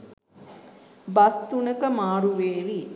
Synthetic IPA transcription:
bast̪unəkəmaːɾuʋeːʋi

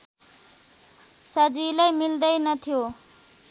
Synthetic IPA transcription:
sʌd͡zilajmild̪ʌjnʌt̪ʰijo

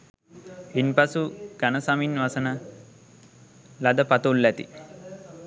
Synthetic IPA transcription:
inpasuɡ̥anəsaminʋasənə | lad̪əpat̪ulːæt̪ḭ

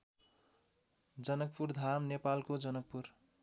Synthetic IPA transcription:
d͡zʌnʌk̚purd̪ʱamnepalkod͡zʌnʌk̚pur

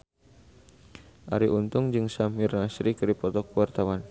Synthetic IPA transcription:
ʔa̰ɾiʔunt̪ʊŋd͡ʒɨŋsamirnasɾikɨɾipɔt̪ɔkuwart̪awan

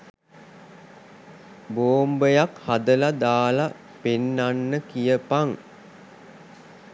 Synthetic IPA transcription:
boːmbəjakhad̪əlad̪aːla | penːanːəkijəpaŋ

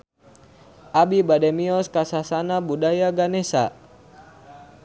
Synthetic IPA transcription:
ʔabibadɛmiɔskasasanabudajaɡanɛsa

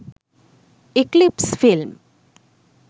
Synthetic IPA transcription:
ɪklipsfilm

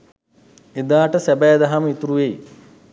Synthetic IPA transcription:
ed̪aːʈəsæbɛːd̪aɦaməit̪uɾuʋej

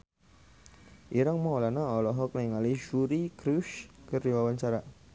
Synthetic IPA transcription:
ʔiɾaŋməɔlanaɔlɔɦɔkniiŋaliʒuɾikɾuʃkərdiwawaɲt͡ʃaɾa

